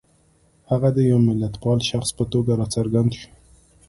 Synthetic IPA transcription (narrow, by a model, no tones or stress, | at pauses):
haɣad̪əjawmɪlːat̪pɑlʃaxspət̪oɡaɾɑt͡saɾɡand̪ʃu̥